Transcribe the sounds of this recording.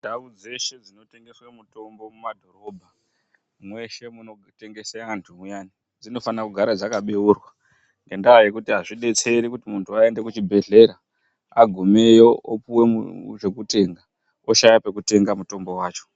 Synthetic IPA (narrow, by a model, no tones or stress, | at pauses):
ndawud͡ze̞ʃe̞d͡zino̞te̞ŋɡe̞swemuto̞mbo̞mumadʱo̞ɾo̞bʱa | mwe̞ʃe̞muno̞ | te̞ŋɡe̞seaantʰuujaːni | d͡zino̞fanakuɡʱaɾad͡zakaɓeurwa | ŋɡe̞ndaːje̞kutiɦaʐiɗe̞t͡se̞ɾikutimuntʰuae̞nde̞kut͡ʃibʱe̞ɮe̞ɾa | aɡʱume̞joopuwe̞uʐe̞kute̞ŋɡa | oʃajape̞kute̞ŋɡamuto̞mbo̞waːt͡ʃo̥